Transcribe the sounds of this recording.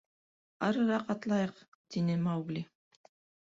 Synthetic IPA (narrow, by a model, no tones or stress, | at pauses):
ɑɾɤɾɑqɑt̪lˠɑjɤq | t̪inɘmɑwɡlʲi